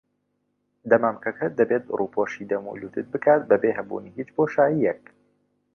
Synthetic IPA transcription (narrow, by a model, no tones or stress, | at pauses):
d̪ɐmaːmkɐkʰɐd̪ɐbeːt̪̚ruːpʰoʃid̪ɐmṵluːt̪ʰɨt̪̚bɨkʰaːt̪̚bɐbeːɦɐbṵːniːhiːt͡ʃpoːʃaːjijɛk̚